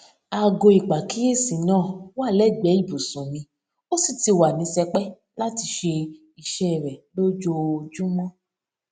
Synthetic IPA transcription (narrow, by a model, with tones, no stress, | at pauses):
a˨ɡo˧˨i˨k͡pa˨ki˦e˦˨sĩ˨nãː˦˨wa˦˨lɛ˦˨ɡ͡bɛ˨˦i˦˨bu˨sũ˨mĩ˧ | o˦si˦˨ti˧wa˨nĩ˨˦sɛ˧k͡pɛ˦ | la˦ti˧ʃe˧ | i˨ʃɛ˦˨ɾɛ˨lo˦d͡ʒo˧d͡ʒũ˦mɔ̃˦